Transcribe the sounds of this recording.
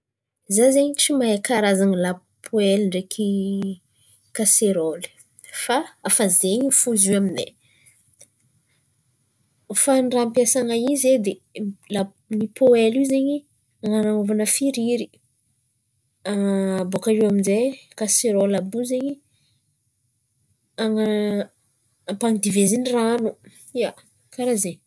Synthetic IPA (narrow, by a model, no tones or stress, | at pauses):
zazeɲt͡ʃimaɦekaɾazaŋila | pʰoelɳɖ͡ʐekʰi | kaseɾoli̥ | faafazeɲifuziaminḛ | faɳɖ͡ʐampjasaŋaized̪ela | nipʰoelizeɲi | aŋanaŋovanəfiɾiɾi | aŋbokaɾiwaminzekaseɾolabuzeɲi | aŋa | paŋid̪iveziniranu | ia | kaɾaze